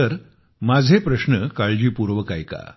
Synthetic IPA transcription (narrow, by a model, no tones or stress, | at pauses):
əɾ | mad͡zʱepɾəɕnəkaɭd͡ʑiːpuɾʋəkajka̰